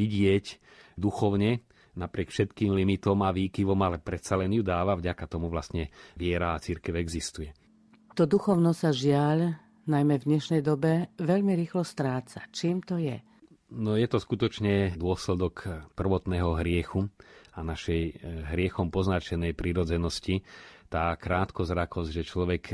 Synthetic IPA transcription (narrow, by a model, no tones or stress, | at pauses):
iɟɪɛcd̪uxɔʊɲɛ | napɾɪɛkfʃɛt̪kiːmlimit̪ɔmaʋiːkiʋɔmalɛpɾɛt̪salɛnjud̪aːʋavɟakat̪ɔmuʋlast̪ɲɛʋɪɛɾaːt͡siɾkɛʊɛɡzist̪ujɛ | t̪ɔd̪uxɔʊnɔsaʒɪaʎ | najmɛvd̪ɲɛʃnɛjd̪ɔbɛʋɛʎmiɾiːxlɔst̪ɾaːt͡sat͡ʃiːmt̪ɔjɛ | nɔjɛt̪ɔskut̪ɔt͡ʃɲɛd̪ʊɔslɛd̪ɔkpr̩ʋɔt̪nɛːɦɔɦɾɪɛxuanaʃɛjɦɾɪɛxɔmpɔznat͡ʃɛnɛjpɾiɾɔd͡zɛnɔscit̪aːkɾaːt̪kɔzɾakɔzɟʒɛt͡ʃlɔʋɛk